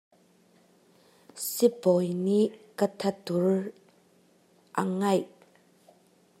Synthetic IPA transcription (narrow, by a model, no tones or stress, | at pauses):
sipɔjniʔkət̪ʰɐt̪ur | ʔa̰ŋɐj